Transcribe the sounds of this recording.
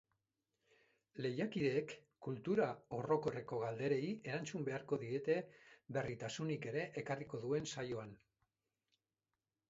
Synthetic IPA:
le̞jakiðe̞ːkː | ult̪uɾao̞ro̞ko̞reko̞ɣald̪e̞ɾe̞iʔe̞ɾant͡sumbe̞aɾko̞ðiɾe̞t̪e̞be̞rit̪asunike̞ɾe̞ʔekariko̞ðue̞nsajo̞an

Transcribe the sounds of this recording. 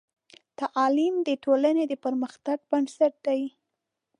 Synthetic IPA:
t̪aʔɑlimd̪əʈʰolaned̪əpəɾməxt̪aɡ̚bansaʈ̚d̪aj

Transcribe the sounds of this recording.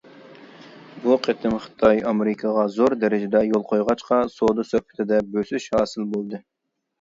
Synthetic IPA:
buqʰet̪ʰɪmχɨ̥t̪ʰɑjɑmeɾɪkʰɑʁɑzoɾd̪ɛɾɪd͡ʒɪd̪ɛjolˠqʰojʁɑt͡ʃqɑsod̪usøhpʰɪ̥t̪ʰɪd̪ɛbøsyʃhɑːsɨlbolˠd̪ɨ

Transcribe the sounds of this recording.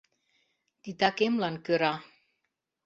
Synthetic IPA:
t̪it̪akemlankəɾa

